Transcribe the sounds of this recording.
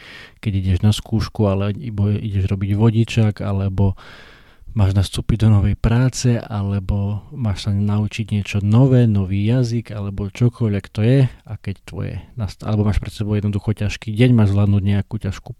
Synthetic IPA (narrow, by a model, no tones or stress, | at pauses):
kɛɟiɟɛʒnaskuːʃkualɛibɔʔḭɟɛʒɾɔbiɟʋɔɟit͡ʃaka̰lɛbɔ | maːʒnast̪uːpiɟd̪ɔnɔʋɛjpɾaːt͡sɛʔalɛbɔmaːʃsanaut͡ʃiɟɲɪɛt͡ʃɔnɔʋɛːnɔʋiːjaziɡalɛbɔt͡ʃɔkʰɔʎʋɛkt̪ɔjɛakɛct̪ʋɔ̰jɛ̰nasa̰lɛbɔmaːʃpɾɛt̪sɛbɔʊɛd̪nd̪uxɔcaʃkiːɟɛɲmaːʒzlaːd̪nuːɟɲɛakuːcaʃku